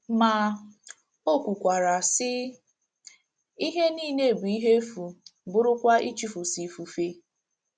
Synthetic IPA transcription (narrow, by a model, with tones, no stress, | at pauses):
ma˨ | o˦kʷu˨kʷa˨ɾa˨sɪ˦ | i˦ɦe˦niː˦˨ne˦˨bu˨i˦ɦe˦fu˨bʊ˦ɾʊ˦kʷa˦ʔi˦t͡ʃi˨fu˨si˨fu˨fe˦